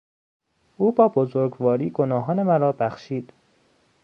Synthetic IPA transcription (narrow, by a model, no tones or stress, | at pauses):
ʔuːbɒːbozoɾɡvɒːɾiːɡonɒːɦɒːne̞mæɾɒːbæxʃiːd̪̥